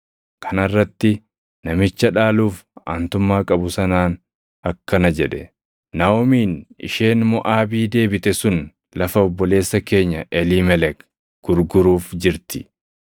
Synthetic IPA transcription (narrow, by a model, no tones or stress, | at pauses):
kʰɐnɐrːɐt̪ːɪ | nɐmɪt͡ʃːɐᶑaːluːfa̰ːnt̪ʊmːaːkʼɐbʊsɐnaːn | ɐkːɐnɐd͡ʒɛᶑɛ | naɔmiːnɪ̰ʃeːnmʊʔaːbiːd̪e̞ːbɪt̪ɛsʊn | lɐfɐɔbːɔle̞ːsːɐke̞ːɲːɐʔɛlimɛlɛk | ɡ̥ʊɾɡʊɾuːfd͡ʒɪɾt̪ɪ̥